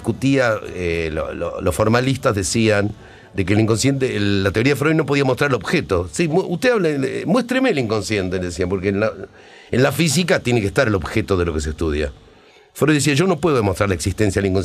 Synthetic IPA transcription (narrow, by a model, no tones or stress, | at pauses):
kut̪iaelo̰lo̰losfo̞ɾmalist̪azðesian | d̪ek̬eliŋko̞nsje̞nt̪̬eːat̪eoɾiaðefɾojnop̬oðiamot̪ɾaɾelo̞βxet̪o̞simut̪eaβlamwe̞st̪ɾemeliŋko̞nsje̞nt̪eleðesiampo̞ɾkenla | enlafis̬ikat̪je̞nekest̪aɾelo̞βxet̪o̞ðelo̞kes̬est̪uðja̰ | fɾojðes̬iaʒo̞no̞pweðo̞ðemo̞st̪ɾaɾlaeksist̪ensjaðeliŋkon